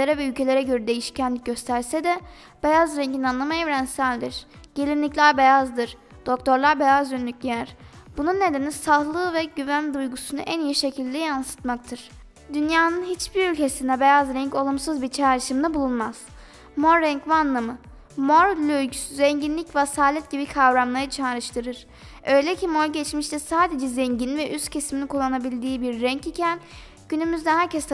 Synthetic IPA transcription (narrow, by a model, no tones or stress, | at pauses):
eɾɛvɛylʲcʰe̞lʲe̞ɾɛɟø̞ɾɛd̪e̞jiʃi̥cʰænlʲic̚ɟø̞st̪ʰæɾsɛd̪ɛ | b̥ejazɾɛɲɟinanlˠamaevɾænsælʲd̪iɾ̥ɟ̥e̞lʲinlʲiclʲæɾbe̞jazd̪ɯɾ̥ | d̪̥o̞kt̪ʰo̞ɾlˠaɾbejazɟynlʲycnʲijæɾ̥b̥ununːe̞d̪enisahlˠɯːvɛɟyvænd̪ujɡusunuʔænijiʃe̞cʰilʲd̪ɛjansɯ̥t̪mak̚t̪ʰɯɾ̥ | d̪ynjaːnɯnɦit͡ʃbiɾylʲce̞sind̪ɛbe̞jazɾɛɲco̞lˠumsɯzbiɾt͡ʃʰaːɾɯʃɯmd̪abulˠunmaz̥ | moɾːɛɲcvanlˠamɯ | mo̞ɾlʲølʲcʰy̥syzɛɲɟinlʲicvasaːlʲɛt̪̚ɟibikʰavɾamlˠaɾɯt͡ʃʰaːɾɯʃt̪ʰɯɾɯɾ̥ | ø̞jlʲɛcʰimo̞ɾɟɛt͡ʃmiʃt̪ʰɛsaːd̪e̞d͡ʒɛzɛɲɟinvɛʔyst̪cʰesiminikʰulˠːanabilʲd̪iːbiɾːɛɲcicʰæn | ɟ̥ynymyzd̪ɛɦæɾcʰɛst̪